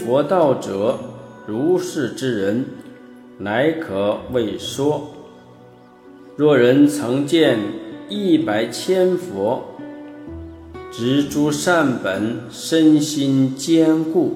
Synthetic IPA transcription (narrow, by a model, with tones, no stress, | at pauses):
fwɔ˧˥t̪ɑ˥˩ʊʈ͡ʂɤ˨˩˦ | ɻu˧˥ʂɻ̩˥˩ʈ͡ʂɻ̩˥ɻə˧˥n | na˧˥ɪkʰɤ˨˩we˥˩ɪʂwɔ˥ | ɻwɔ˥˩ɻə˧˥nt͡sʰɤ˧˥ŋt͡ɕjɛ˥˧ni˥˩pa˨˩ɪt͡ɕʰjɛ˥nfwɔ˧˥ | ʈ͡ʂɻ̩˧˥ʈ͡ʂu˥ʂa˥˩npə˨˩n | ʂə˥nɕi˥nt͡ɕjɛ˥nku˥˩